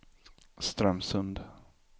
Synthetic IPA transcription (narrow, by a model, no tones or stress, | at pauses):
st̪ɾɛmsɵnd̪